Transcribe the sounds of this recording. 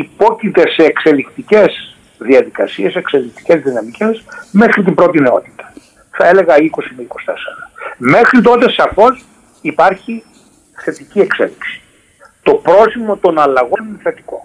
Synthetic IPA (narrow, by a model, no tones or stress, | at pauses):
ipo̞cit̪e̞seːkse̞likt̪ice̞z | ðiɐðikɐsie̞sekse̞likt̪i̥ce̞zðinɐmice̞sme̞xɾit̪̬imbɾo̞t̪̬ineo̞t̪i̥t̪ɐ̥ | θɐe̞le̞ɣɐiko̞simeiko̞st̪esɐɾɐme̞xɾit̪o̞t̪e̞sɐfo̞s | ipɐɾçi | θe̞t̪iciekse̞̰liksi̥ | t̪o̞pɾo̞simo̞t̪o̞nɐlɐɣoninθe̞t̪i̥ko̞̰